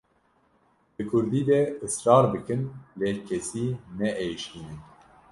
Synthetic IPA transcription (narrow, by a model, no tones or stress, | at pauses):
bɨkʰʊɾd̪iːd̪ɛɨsɾɑːɾbɨkɨnleːkʰɛsiːnɛʔejʃt̪iːnɨn